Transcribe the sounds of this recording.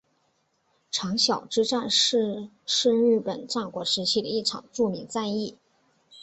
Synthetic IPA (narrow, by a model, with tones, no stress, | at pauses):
ʈ͡ʂʰɑ˧˥ŋɕjɑ˨˩ʊʈ͡ʂɻ̩˥ʈ͡ʂa˥˧n̩˥˧ | ʂɻ̩˥˧ɻ̩˥˩pə˨˩nʈ͡ʂa˥˩kwɔ˧˥ʂɻ̩˧˥t͡ɕʰi˥˩d̪ə˩i˥˩ʈ͡ʂʰɑ̰˨˩ŋʈ͡ʂu˥˩mi˧˥ŋt͡sa˥˧ɪi˥˩